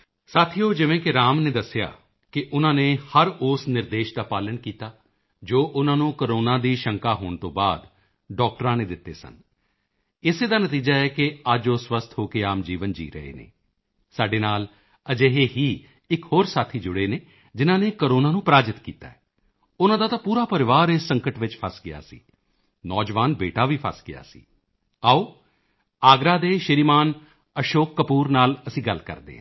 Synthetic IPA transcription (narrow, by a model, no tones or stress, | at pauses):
saːt̪ʰiːoːd͡ʒɪʋẽːkɪɾaːmneːd̪əsːɪja̰ː | kɪʔʊnãːneːhəɾʊːsnɪɾd̪eːʃd̪aːpaːləɳkiːt̪aː | d͡ʒoːʔʊnãːnũːkəɾoːnãːd̪iːʃəŋkaːɦoːɳt̪õːbaːd̪ | ɖɔːk̚ʈəɾãːneːd̪ɪt̪ːḛːsə̰n | ɪseːd̪aːnət̪iːd͡ʒaːɛːkɪad͡ʒoːswəst̪ʰɦoːkeaːmd͡ʒiːʋənd͡ʒḭːɾə̰ɦḛːnḛː | saːɖeːnaːl | əd͡ʒeːɦeːɦiː | ɪkɦoːɾsaːt̪ʰiːd͡ʒʊɽeːneː | d͡ʒɪnãːneːkəɾoːnaːnũːpɾaːd͡ʒɪt̪kḭːt̪a̰ːɛː | ʊnãːd̪aːt̪ãːpuːɾaːpəɾɪʋaːɾɪsːəŋkəʈʋɪt͡ʃpʰəsɡɪja̰ːsḭː | nɔːd͡ʒʋaːnbeːʈaːʋiːpʰə̰sɡɪja̰ːsḭː | aːoː | aːɡɾaːd̪eːʃɪɾimaːn | əʃoːkːəpuːɾnaːləsĩːɡəlkə̰ɾd̪ḛːɦɛ̰̃ː